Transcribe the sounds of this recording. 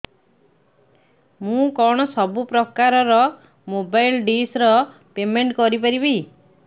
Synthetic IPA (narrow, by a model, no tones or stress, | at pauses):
mũkɔɽ̃ɔsɔbupɾɔkaɾɔɾɔ | mobajlɖisɾɔ | pemeɳʈkɔɾip̬aɾibej